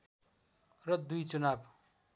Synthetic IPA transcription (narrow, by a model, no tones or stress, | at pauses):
rʌd̪ujt͡sunab